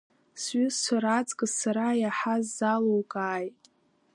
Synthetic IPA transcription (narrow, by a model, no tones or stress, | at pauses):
sɥʏsːʷaɾat͡sʼkʼɨzsaɾajaħazːalowkʼaːjtʼ